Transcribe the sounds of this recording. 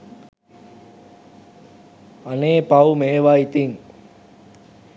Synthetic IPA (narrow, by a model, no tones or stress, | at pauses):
aneːpawumeːʋait̪iŋ